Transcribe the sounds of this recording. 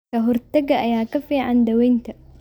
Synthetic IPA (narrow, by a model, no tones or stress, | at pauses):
ɐɦɔɾt̪ɐɡɐʔɐjaːkɐfiːʕa̰nd̪ɐwɛjnt̪ʰɐ